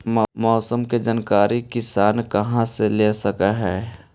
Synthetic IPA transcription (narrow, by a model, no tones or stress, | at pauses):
mɔːsəmked͡ʒankaːɾikɪsaːnkɐɦãseleːsɐkaɦɛː